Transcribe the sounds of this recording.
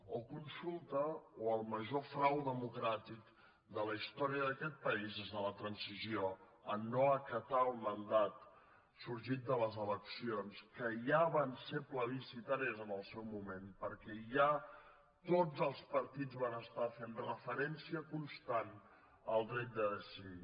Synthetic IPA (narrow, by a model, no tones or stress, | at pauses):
əkunsulˠt̪əoəlˠməʒofɾawðəmukɾat̪ik | d̪ələist̪ɔɾiəðəkɛt̪̚pəizezðələt̪ɾənsizio | ənːoəkət̪aəlˠmənd̪at̪ | suɾʒit̪̚d̪ələzələksionskəjaβansepləβisit̪aɾiəzənəlˠsɛwmumempəɾkɛʒa | t̪od͡zəlˠspəɾt̪id͡zβanəst̪afenrəfəɾɛnsiəkunst̪an | əlˠd̪ɾɛt̪̚d̪əðəsiði